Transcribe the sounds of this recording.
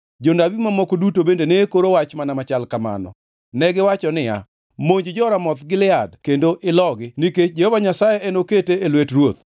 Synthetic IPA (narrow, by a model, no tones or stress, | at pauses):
d͡ʒondabimamɔkodutobendeneːkoɾowat͡ʃmanamat͡ʃalkama̰nɔ̰ | nɛɡɪwat͡ʃɔnɪja̰ | moɲd͡ʒd͡ʒɔɾamɔt̪ɡɪlɪadkendoʔɪlɔɡɪniket͡ʃd͡ʒehovaɲasajeʔenoketeelwetɾwot̪̚